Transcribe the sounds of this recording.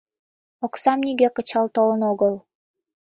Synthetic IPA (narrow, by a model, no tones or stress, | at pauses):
oksɑmnʲiɡeqɤ̆t͡ɕɑlˠt̪olˠɤ̆noɣɤlˠ